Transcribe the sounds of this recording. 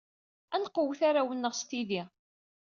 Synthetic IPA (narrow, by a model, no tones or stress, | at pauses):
ænqːəwθaɾawənːəʁst̪iði